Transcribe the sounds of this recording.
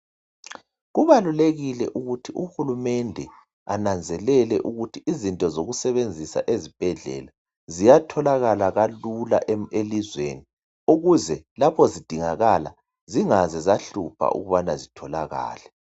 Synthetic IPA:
ɣuβaluleɣilɛ̰ʔuɣutʰiʔuxulumɛndʱɛ | anand͡zʱɛlɛlɛʔuɣutʰiizintʼɔzoɣusɛβend͡zʱisa̰ʔezib̥ʱɛɮɛ̰ːla | zijatʰɔlaɣalaɣalulaʔelizwḛni | uɣuzɛlapʰɔzid̥ʱiŋaɣala̰ | ziŋazɛzaɬupʰa̰ʔṵɣuβanazitʰɔlaɣa̰ːlɛ

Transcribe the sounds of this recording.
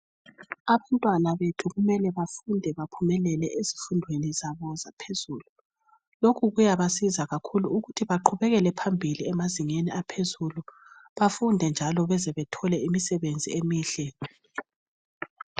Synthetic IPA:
aβantʼwanaβetʰuɣumɛlɛβafundʱɛβapʰumɛlɛlɛʔezi̥fundʱwenizaβɔzapʰezuːlu | lokʰuɣujaβasizaɣakʰuluuɣutʰiβaǃʰuβɛɣɛlɛpʰambʱiliɛmaziŋeniapʰezuluβafundʱɛnd͡ʒʱalɔβɛzɛβɛtʰɔlɛimisɛβend͡zʱḭemiːɮɛ

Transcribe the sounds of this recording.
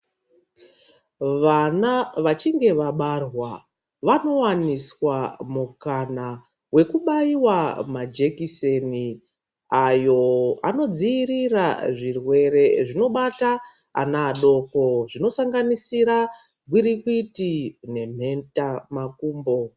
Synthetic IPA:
ʋanaʋat͡ʃiŋɡe̞ʋaɓarwa | ʋano̞waniswamukana | we̞kuɓaiwamad͡ʒe̞kiseni | ajo̞a̰no̞d͡ziːriraʐirwe̞ɾe̞ʐino̞ɓata | a̰naːɗo̞ko̞ʐino̞saŋɡanisiɾa | ɡwiɾikwitine̞m̤e̞ntamakuːmbo̞

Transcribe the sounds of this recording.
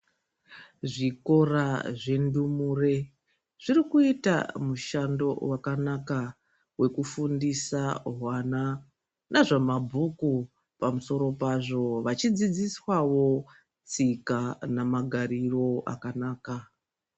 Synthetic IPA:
ʐiko̞raʐe̞ndumure̞ | ʐ̥irikuita̰muʃando̞̰wakanaka | we̞kufundisaɦwana | nʔaʐemabʱuku | pamuso̞ɾo̞paʐo̞ʋat͡ʃid͡zid͡ziswawo̞ | t͡sikanamaɡʱaɾiro̞a̰kanaːka

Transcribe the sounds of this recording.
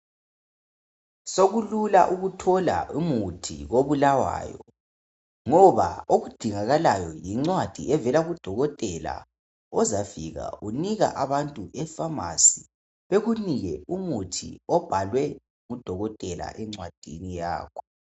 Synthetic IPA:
soɣululaʔuɣutʰɔla̰ʔumutʰḭɣoβulawa̰ːjɔ | ŋɔβa̰oɣud̥ʱiŋaɣalajɔjiŋ͡ǀwad̥ʱiʔɛvɛlaɣud̥ʱɔɣɔtʼɛla̰ | ɔzafiɣa̰ʔuniɣa̰ʔaβantʼuʔɛfama̰si | βeɣuniɣɛumutʰḭɔb̥ʱalwɛ | ŋud̥ʱɔɣɔtʼɛla̰ʔɛŋ͡ǀwad̥ʱinija̰ːkʰɔ̥

